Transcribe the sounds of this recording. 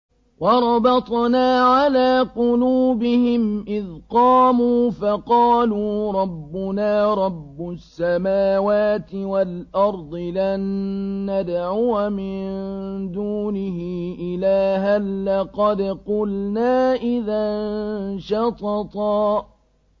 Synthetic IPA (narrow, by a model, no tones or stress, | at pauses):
wɑɾˤɑbɑt̪ˤnaːʕalaːqʊluːbɪhɪmʔɪðqɑːmuːfɑqɑːluɾˤɑbːʊnaːɾˤɑbːʊsːamaːwaːt̪ɪwalʔɑɾˤd̪ˤɨlanːad̪ʕuːmɪnd̪uːnɪɦɪʔɪlaːɦanːɑqɑd̪qʊlnaːʔɪðanʃɑt̪ˤɑt̪ˤɑː